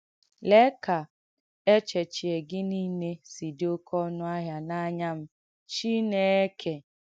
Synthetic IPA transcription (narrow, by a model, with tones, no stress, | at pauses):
le˦ka˨ | e˦t͡ʃe˨t͡ʃi˨e˨ɡɪ˦ni˦ne˦si˨dɪ˦o˦kʰɔ˦nʊ˦a˦ɦja˨na˦ɲa˦m̩˦ | t͡ʃi˦ne˦e˦kʰe˨